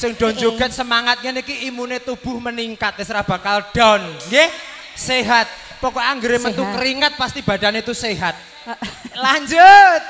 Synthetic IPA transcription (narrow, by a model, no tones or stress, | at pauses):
sɪŋɖ̥̪oɲd͡ʒoɡ̥a̤nsəmaŋat̪̚ɲɛnikiːmunet̪ub̥ʊ̤hməniŋkat̪̚esɾahb̥akalɖ̥ɔ̤nɡe | seɦat̪̚ | pɔkɔaŋɡəɾemənt̪ukəɾiŋət̪̚past̪ib̥a̤d̥aneit̪useɦat̪̚ | laɲd͡ʒət̪̚